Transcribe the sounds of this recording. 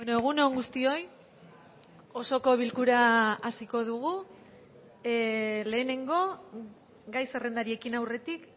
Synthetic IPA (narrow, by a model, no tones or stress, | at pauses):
enoeɣ̞unoŋɡust̪io̞j | o̞so̞ko̞βilkuɾaasiko̞ð̞uɣ̞u | le̞ːne̞ŋɡo̞ | ɡajse̞re̞nd̪aɾie̞kinawre̞t̪ik